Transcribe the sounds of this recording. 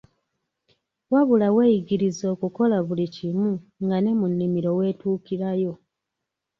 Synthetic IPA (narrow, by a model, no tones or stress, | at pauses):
waβulawe̞ːjiɟiɾizo̞ːkuko̞laβulicimuŋɡane̞munːimiɾo̞we̞ːtuːkiɾajo̞